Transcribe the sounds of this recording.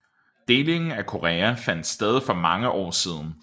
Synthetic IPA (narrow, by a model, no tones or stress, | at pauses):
d̥e̝ːle̝ŋn̩ækʰo̝ʁɛːæfæn̰d̥sd̥eð̞ˠifɒ̽mɑ̈ŋəʔɒ̰ːsiːð̞ˠn̩